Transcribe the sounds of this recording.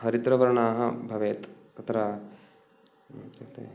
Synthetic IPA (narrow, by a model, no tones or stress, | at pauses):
ɦɐɾit̪ɾɐʋɐɾɐɳaːɦɐbʱɐʋeːt̪ | ɐt̪ʰɐɾa | t͡ʃɐt̪ḛ